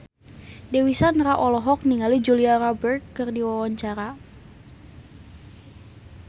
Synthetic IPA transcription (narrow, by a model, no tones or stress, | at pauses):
dewisanraʔɔlɔɦɔk̚niŋalid͡ʒuliarɔbərt̪̚kɨrdiwawaɲt͡ʃaɾa